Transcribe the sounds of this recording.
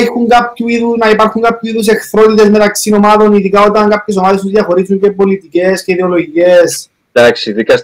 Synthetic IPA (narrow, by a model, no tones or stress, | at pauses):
xuŋɡapçuiðunɐipɐɾxuŋɡapçusiðus̬e̞xθɾo̞t̪it̪e̞zme̞t̪ɐksino̞mɐðo̞niðikao̞t̪ɐŋɡɐpçes̬o̞maðest̪uzðjɐxo̞ɾizuɲce̞po̞lit̪ice̞sceiðeo̞lo̞ʝice̞s | ɐksiðikɐs